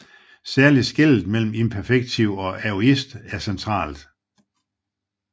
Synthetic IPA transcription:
sæɐlisɡ̥el̰d̥̩mel̰m̩e̝npʰæɐfeɡ̥̚t͡sʰiʊ̰ɒ̽æo̝isd̥æɐsent͡sʰʁɑ̰̈ːld̥

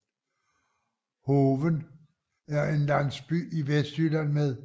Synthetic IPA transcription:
hoːʋən | æɐe̝nlæn̰sb̥y̰ːiʋesd̥yl̥ænmeðˠ

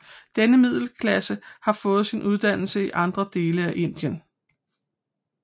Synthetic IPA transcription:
d̥enəmið̞̰ˠl̩kʰlæsəhɑ̈fɔ̽ːð̞̩ˠsinʔuð̞ˠd̥æn̰l̩səiʔɑ̈nd̥ʁɐd̥e̝ːləæʔe̝n̰d̥jən

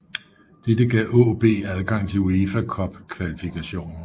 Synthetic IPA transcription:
d̥ed̥əɡ̥ɛ̰ʔɔb̥e̝̰ːæð̞ˠɡ̥ɑ̈ŋ̰t͡sʰe̝lue̝fækʰɒ̽b̥kʰʋælifikʰæɕo̝̰ːnɐ

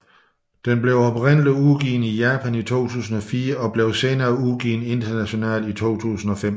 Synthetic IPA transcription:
d̥enb̥leʊɒ̽b̥ʁɛn̰liuɡ̥ḭːnijæːpʰænit͡sʰo̝̰ːt͡sʰṵːsn̩ɒ̽fiːɐɒ̽b̥le̝ʊse̝ːnɐːuɡ̥ḭːne̝nd̥ɐnæɕo̝nɛ̰ːlit͡sʰo̝̰ːt͡sʰṵːsn̩ɒ̽fem

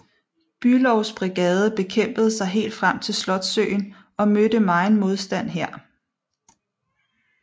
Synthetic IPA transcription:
b̥ylɒʊsb̥ʁiɡ̥ɛːð̞ˠəb̥e̝kʰem̰b̥əð̩ˠsɑ̈ɪɦe̝̰ːld̥fʁam̰t͡sʰe̝lslɒ̽d̥sø̰ːɪn | ɒ̽mød̥əmɑ̈ɪn̩mo̝ð̞ˠsd̥æn̰ɦæɐ̰

